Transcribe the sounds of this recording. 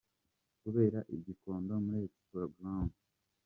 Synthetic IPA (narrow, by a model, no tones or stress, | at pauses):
kuβe̞ːɾaʔiɟiko̞ːndo̞muɾet | ɾaɡɾand